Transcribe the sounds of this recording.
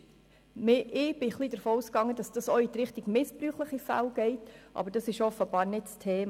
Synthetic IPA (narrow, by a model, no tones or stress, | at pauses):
mɪʔɪːb̥ɪχliːdəɾfoːuskɑŋːəd̥ɑsd̥ɑsɔit̪ɾɪχtɪɡ̥mɪspɾyːχləχifæ̰lɡ̥ɛɪtʔɑ̰bəɾd̥ɑsɪʃɔfəb̥ɑːɾnɪtstʰeːm